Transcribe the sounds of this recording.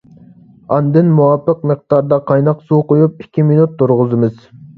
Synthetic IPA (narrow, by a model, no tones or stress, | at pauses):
ɑnd̪ɨnmuwɑpʰːəq̚məq̚d̪ɑɾd̪ɑqʰɑjnɑqsuqojup̚ikʲʰːiminut̪ːuɾʁʊzɨmɨz